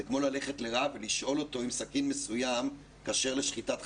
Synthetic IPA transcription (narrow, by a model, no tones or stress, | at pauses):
ekmo̞lale̞χe̞tleʁaveliʃʔo̞lo̞to̞imsakinmesujam | kaːʃe̞ʁle̞ʃχitat